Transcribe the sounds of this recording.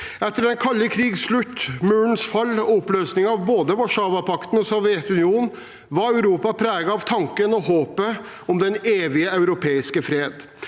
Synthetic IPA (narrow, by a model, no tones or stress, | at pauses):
ɛt̪ːəɖɛnkʰɑlːəkʰɾiːɡsʂɭʉt̪ːmøːnsfɑlːɔɔpløːsnɪŋɑʋboːd̪əmɔʂɑːʋɑpʰɑkt̪nɔsɔʋjɛt̪ʉnɪuːn | ʋɑɾɑʉɾuːpɑpʰɾæːɡɑɑʋt̪ʰɑŋkənɔhoːpə | ɔmd̪ɛneːʋɪəɑʉɾʊpʰeːɪskəfɾeːd̪